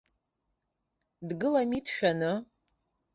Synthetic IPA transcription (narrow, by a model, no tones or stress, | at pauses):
dɡɨlamitʰʃᶣanɨ